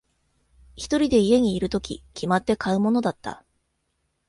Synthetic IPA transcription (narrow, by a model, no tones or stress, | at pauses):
çi̥t̪o̞ɾʲid̪e̞ije̞ɲ̟iːɾɯ̟t̪o̞kʲḭkʲʰimat̪ːe̞kaɯ̟mo̞no̞d̪at̪ːa̰